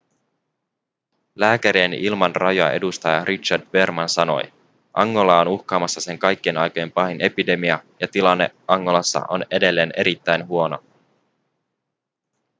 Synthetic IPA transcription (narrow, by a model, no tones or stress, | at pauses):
læːkæɾienilmɑnrɑjoɑ̰ʔe̞̰dust̪ɑjɑrʔit͡ʃːɑrdbe̞rmɑnsɑno̞̰j | ʔɑŋːo̞lɑonuxkɑːmɑsːɑse̞ŋkɑjkːienɑjkoje̞mpɑhine̞pide̞miɑjɑt̪ilɑnːe̞̰ɑŋːo̞lɑsːɑ̰ʔo̞̰ne̞de̞lːe̞ːne̞ɾit̪ːæjnɦuo̞no̞̰